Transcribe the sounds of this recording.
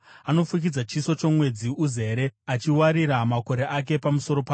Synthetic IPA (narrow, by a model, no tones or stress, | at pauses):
ano̞fuk̬id͡zat͡ʃiso̞t͡ʃo̞mwe̞d͡ziuze̞ɾe̞at͡ʃiwaɾiɾamako̞ɾe̞ʔak̬e̞pamuso̞ɾo̞paː